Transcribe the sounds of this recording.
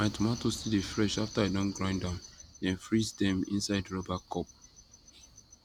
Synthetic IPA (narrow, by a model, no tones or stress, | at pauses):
maɪtumatosidefɹɛʃaftaadɔ̃nɡɹãɪ̃ndãʊ̃ndɛ̃nfɹisdɛ̃mḭ̃nsaɪdɹɔbakʰɔp̚